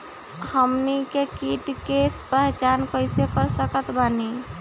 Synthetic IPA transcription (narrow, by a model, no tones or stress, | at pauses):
həmnikekiʈkespəɦt͡ʃankəɪsekəɾsəkət̪bani